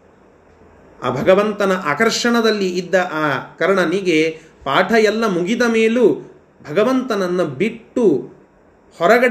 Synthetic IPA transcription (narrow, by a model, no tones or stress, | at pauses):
a̰ːbʱɐɡɐʋɐnt̪ɐnɐʔaːkɐɾʂɐɳɐd̪ɐlːiʔːd̪ːɐʔaːkɐɾɳɐniɡe | paːʈʰɐjɛlːɐmuɡid̪ɐmeːlu | bʱɐɡɐʋɐnt̪ɐnɐnːɐbiʈːu | hɔɾɐɡɐɽ